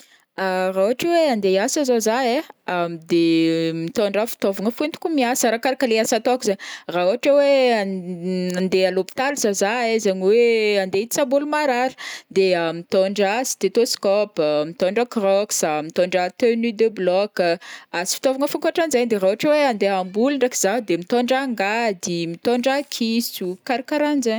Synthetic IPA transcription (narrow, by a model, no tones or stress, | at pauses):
arauɦaʈ͡ʂweand̪easazozaeamid̪emit̪oɳɖ͡ʐafi̥t̪ovaŋəfent̪u̥kumiasaɾakaɾakəleasat̪ɔkuzaɲraɦuaʈ͡ʂawe | and̪ealopi̥t̪alzazaezeɲiweand̪eit͡sabulumaɾaɾi̥d̪eamit̪ɔɳɖ͡ʐasi̥t̪et̪oskɔpmit̪ɔɳɖ͡ʐəkrɔksamit̪ɔɳɖ͡ʐət̪ønud̪eblɔkazi̥fi̥t̪ovaŋəfuŋkaʈ͡ʂanzaɲd̪erauaʈ͡ʂaweand̪eambuliɳɖ͡ʐaki̥z̥ad̪emit̪ɔɳɖ͡ʐaŋɡad̪imit̪ɔɳɖ͡ʐakʰisukaɾakaɾand͡ʒa